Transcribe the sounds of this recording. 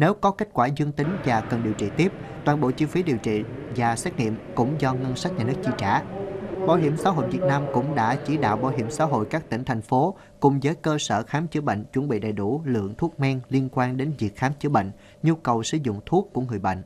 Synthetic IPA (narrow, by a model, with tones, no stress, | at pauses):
ne˨˦wkɔ˨˦ke˦˥k̟̚kwaː˧˩zɨ˧əŋt̪ï˨˦ŋ̟vaː˨˩kə˨˩nɗi˨˩əwt͡ɕḭ˧˨t̪i˦˥əp̚ | t̪waː˨˩nɓo̰˧˨t͡ɕi˧fi˨˦ɗi˨˩əwt͡ɕḭ˧˨vaː˨˩sɛ˦˥k̚ŋḭ˧˨əmkʊ̰˧˥ŋ͡mzɔ˧ŋə˧nsa˦˥k̚ɲaː˨˩nɨ˦˥ək̚t͡ɕi˧t͡ɕaː˧˩˦ɓaː˧˩wɦi˧˩əmsaː˨˦ɦo̰˧˨jvi˨˩ət̚naː˧mkʊ̰˧˥ŋ͡mɗa̰ː˧˥t͡ɕi˧˩ɗa̰ː˧˨wɓaː˧˩wɦi˧˩əmsa̰ː˧˥ɦo̰˧˨jkaː˦˥k̚t̪ï˧˩ŋ̟t̪ʰɛ˨˩jŋ̟fo˨˦ | kʊ̰˧˩ŋ͡mzəː˨˦jkəː˧sə̰ː˧˨xaː˨˦mt͡ɕɨ˨˦ɓə̰˧˨jŋ̟t͡ɕwə˧˩nɓḭ˧˨ɗə̰˧˨˩jɗu˧˩lɨ̰˧˨əŋt̪ʰu˦˥ək̚mɛ˧ŋli˧ənkwaː˧nɗe˨˦nvi˨˩ək̚xaː˨˦mt͡ɕɨ˨˦ɓə̰˧˨ŋ̟ | ɲu˧kə˨˩wsɨ̰˧˩zʊ̰˧˨ŋ͡mt̪ʰu˦˥əkːu˧˩əŋɨ˨˩əjɓə̰˧˨jŋ̟ʔ